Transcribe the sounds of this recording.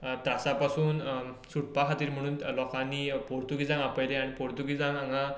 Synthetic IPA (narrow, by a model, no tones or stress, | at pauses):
t̪asapasuːn | suʈ̚pakʰat̪iːɾm̤əɽ̃uːnlɔkãnipoɾt̪uɡid͡zãŋapəjlẽanipoɾt̪uɡid͡zãŋaŋɡa